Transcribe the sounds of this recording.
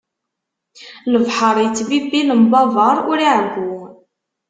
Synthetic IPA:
ləvħəɾˤjət͡sːvibiləmbɑvəɾˤʊɾiʕɡu

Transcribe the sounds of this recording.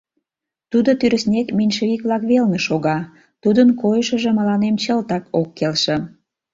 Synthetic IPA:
t̪ud̪ot̪yɾəsnʲekminʲʃeikβlɑkβelneʃoɣɑ | t̪ud̪ənkojəʃə̆ʒĕmə̆lɑnemt͡ɕəlt̪ɑkokːelʃĕ

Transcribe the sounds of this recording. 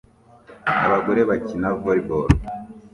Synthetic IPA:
a̰βaɡoɾeβacinavoɾiboɾ

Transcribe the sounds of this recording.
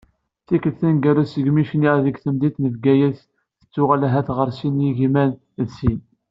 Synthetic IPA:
θikəlθænɡæɾæsəɡmiʃniʁðəɡθəmd̪it̪nəvɡæjæs | θə̥t͡sːʊʁælæɦæθʁəɾsinjiʝimæn | ðsin

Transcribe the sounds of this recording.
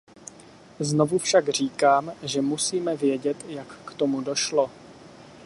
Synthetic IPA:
zno̞vufʃaɡr̝iːkaːmʒɛmusiːmɛvjɛɟɛt̪jakːt̪o̞mudo̞ʃlo

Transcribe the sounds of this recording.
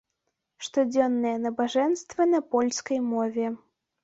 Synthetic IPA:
ʂt̪ɔd͡zʲɔnːɨjɛnɐbaʐɛnst̪vɐnɐpɔlʲskɐjmɔvʲɛ

